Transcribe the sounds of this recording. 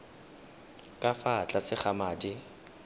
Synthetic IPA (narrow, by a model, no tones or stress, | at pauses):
kʼafat͡ɬʼasɪχamaːdi